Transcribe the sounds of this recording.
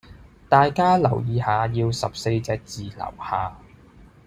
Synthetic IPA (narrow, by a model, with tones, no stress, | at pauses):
t̪aː˨jkaː˥lɐ˨˩wjiː˨˧haː˨˧jiː˧wsɐ˨p̚se˧jt͡sɛː˧˥k̚t͡siː˨lɐ̰˨˩whaː˨